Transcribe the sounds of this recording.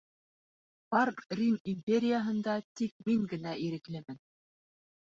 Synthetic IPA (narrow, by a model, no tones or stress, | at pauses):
pɑrrʲinimʲpʲeɾʲɪjəɦɤ̆nd̪ɑt̪ik̚miŋɡɘ̆næiɾɘ̆klɘmɘn